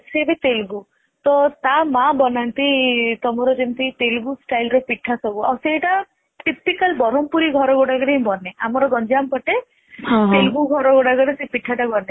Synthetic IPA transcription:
sebet̪elɡu | t̪ɔt̪amabɔnant̪it̪ɔmɔɾɔd͡ʒent̪it̪elɡusʈajlɾɔpiʈʰːasɔbua̰wseʈa | ʈipikalbɔɾɔmpuɾiɡʱɔɾɔɡoɽaɡɔɽẽbɔneamɔɾɔɡɔnd͡ʒampɔʈe | ɦtɦ̪elɡuɡʱɔɾɔɡoɽaɡɔɽesepiʈʰːaʈabɔne

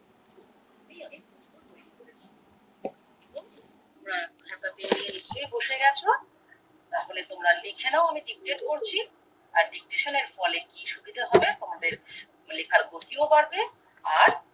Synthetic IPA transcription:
ijamikʰ | oeoɾet͡ɕʰi | omɾakʰat̪at̪ininist͡ʃojboʃeɡɛt͡ɕʰo | t̪aɦolet̪omɾalikʰenaoamiɖik̚ʈeʈkoɾt͡ɕʰi | aɾɖik̚ʈeʃoneɾfɔlekiʃubid̪aɦɔbet̪omad̪eɾ | lekʰaɾɡot̪iobaɾbe | aɾ

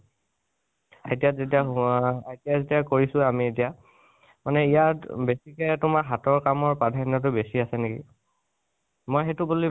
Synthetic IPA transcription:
aetijazetijaetiazetijakoɹisʊamietija | manɛijatbesikɛtʊmaɹɦatɔɹkamɔɹpadʱanɔt̬ʊbesiasɛnekḭ | mojxetʊbuli

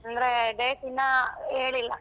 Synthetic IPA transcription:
ɐnd̪ɐɾeɖeːsinːɐeːɭilːɐ

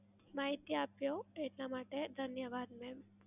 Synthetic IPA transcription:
maɦit̪iapjoeʈlamaʈed̪ʱənjəʋad̪mẽ

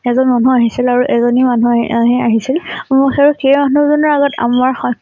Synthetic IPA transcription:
ɛzɔnmanuaɦisilaɹuʔɛzɔnimanuɦiaɦisilmʊxaɹuxejmanuzɔnɔɹaɡɔtʰa̰maɹxɔ

